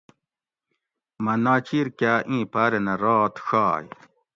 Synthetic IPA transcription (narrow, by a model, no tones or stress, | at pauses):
mɐnaːt͡ɕiɾkaːʔĩːpaːɾenɐɾaːt̪ɕaːj